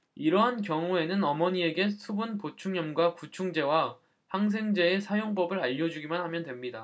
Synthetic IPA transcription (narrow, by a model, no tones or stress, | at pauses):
iɾʌɦankjʌŋue̞nɯnʌmʌɲie̞ɡe̞sʰubunpot͡ɕʰuŋɲʌmɡwakut͡ɕʰuŋd͡ʑe̞wa | haŋs̬ʰe̞ŋd͡ʑe̞ːsʰajoŋpʌbɯɾaʎːʌd͡ʑuɡimanhamjʌndwe̞mɲida